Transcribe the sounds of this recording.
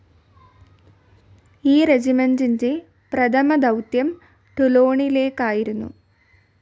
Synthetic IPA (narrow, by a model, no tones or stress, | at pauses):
iːɾed͡ʑimɐnd͡ʑiɲd͡ʑe | pɾɐd̪ʰʱɐmɐd̪ɐwt̪jɐm | ʈulo̞ːɳile̞ːkːaːjiɾunːṵ